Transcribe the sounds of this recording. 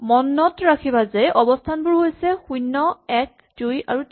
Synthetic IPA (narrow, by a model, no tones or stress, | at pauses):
mɔnːɔtɹakʰibazɛʔɔbɔstʰanbʊɹɦojsɛxujnːɔɛk̚ | duja̰ɹut